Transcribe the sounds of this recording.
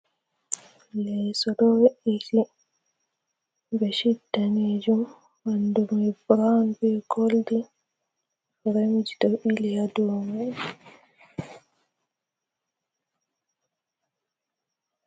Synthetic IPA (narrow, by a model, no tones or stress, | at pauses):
lɛjsɔɗɔwɛʔili | bɛʃidːaned͡ʒumː | andumɛbɾanbɛɡoldi | ɾemd͡ʒitɔɓilijadɔma